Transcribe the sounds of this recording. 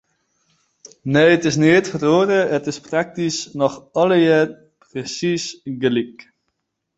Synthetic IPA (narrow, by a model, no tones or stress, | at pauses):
neːətɪsnɪətfəroːɾəətɪsprak̚tisnɔχɔləjɛːr | prəsisɡəlik